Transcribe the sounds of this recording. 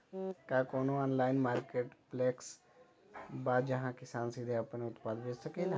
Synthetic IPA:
kaːkoːnõːaːnlaːɪnmaːɾkeːʈplɛːks | baːd͡ʒəɦãːkɪsaːnsid̪ʱeapneʊt̪paːd̪ʋeːd͡ʒsəked̪

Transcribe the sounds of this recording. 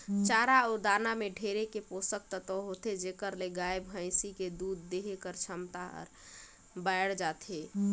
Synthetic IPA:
t͡ʃaːɾaoɾd̪aːnameɖʱeɾekeposək̚t̪ət̪ɔɦot̪ed͡ʒekəɾleɡaebɦə̃ɪsiked̪uːd̪ːeɦekəɾt͡ʃʰəmt̪aɔ̰ɾ | baɪɽd͡ʒaːt̪ʰe

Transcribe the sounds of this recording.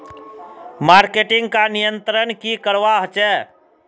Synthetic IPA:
maːɾkeʈɪ̃ŋɡkanijənt̪ɾənkikəɾʋaɦt͡ʃɛ

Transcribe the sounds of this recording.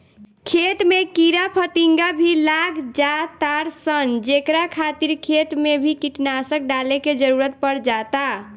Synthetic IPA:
kʰet̪mekiɾapʰət̪iŋɡabʱilaɡʱd͡ʒat̪aɾsənd͡ʒekɾakʰat̪iɾkʰet̪mebʱikiʈnasək̚ɖaleked͡ʒəɾuɾət̪̚pəɾd͡ʒat̪a

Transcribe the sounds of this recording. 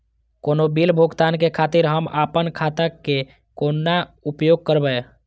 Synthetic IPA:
koːnobilbʱuɡt̪aːnkekʰaːt̪iɾɦəmaːpənkʰaːt̪ake | koːnːaupjoːɡ̚kəɾbəe

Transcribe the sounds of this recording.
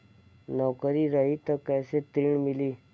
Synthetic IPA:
nɔwkəɾiɾəɦit̪əkɛjset̪ɾiɳmiliː

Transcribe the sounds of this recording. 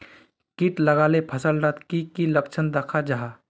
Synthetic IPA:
kiʈlɐɡaːlepʰɐsəlɾət̪kikiləkt͡ʃʰənd̪əkʰad͡ʒaɦa

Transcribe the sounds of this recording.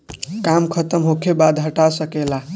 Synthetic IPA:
kamkʰət̪əmɦokʰebad̪ɦəʈasəkela

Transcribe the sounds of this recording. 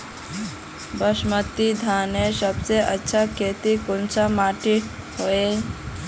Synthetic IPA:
bəʃmət̪ːid̪ʱaːnesəbseʔətːʃʰakʰeːt̪ikont͡ʃamaːʈiʈ | ɦoe

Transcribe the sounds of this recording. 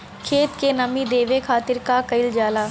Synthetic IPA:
kʰeːt̪kenɐmid̪eːʋekʰaːt̪ɪɾkakɐɪld͡ʒaːlaː

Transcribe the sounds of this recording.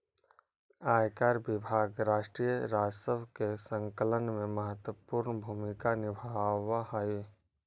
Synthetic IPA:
aːjkaːɾbɪbʱaːɡɾaːʃʈɾijəɾaːd͡ʒsəbkesə̃ŋkələnmẽməɦət̪wəpuːɾnbʱuːmɪkanɪbʱaʋahai

